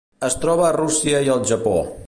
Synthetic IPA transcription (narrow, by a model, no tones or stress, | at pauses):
əst̪ɾɔβ̞əːrusiəiəlˠʒəpo̰